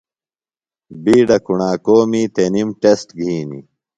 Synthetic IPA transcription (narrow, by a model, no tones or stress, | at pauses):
biːɖɐkuɳaːkoːmiːt̪enimʈesʈɡʱiːnḭ